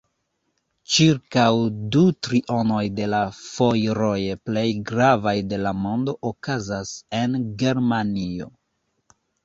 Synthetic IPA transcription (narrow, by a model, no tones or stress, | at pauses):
t͡ʃiɾkawdutɾiʔo̞no̞jde̞lafo̞jɾo̞jeple̞jɡɾavajde̞lamo̞ndo̞ʔokazase̞nɡe̞ɾmanio̞